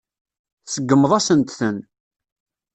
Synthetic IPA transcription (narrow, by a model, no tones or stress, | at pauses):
θsəɡːəmːəðˤæsənt̪θən